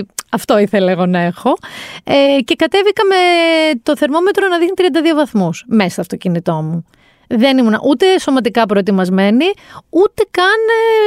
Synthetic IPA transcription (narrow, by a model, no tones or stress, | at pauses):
ɐft̪o̞iθe̞lɐeɣo̞nɐe̞xo̞ece̞kɐt̪e̞vikɐmet̪o̞θe̞ɾmo̞me̞t̪ɾonɐðixnit̪ɾiɐnd̪ɐðio̞vɐθmusmest̪oɐft̪o̞cinit̪o̞mu | ðe̞nimunɐ̰ʔut̪e̞so̞mɐt̪̬ikɐpɾo̞et̪imɐzme̞niut̪e̞kɐn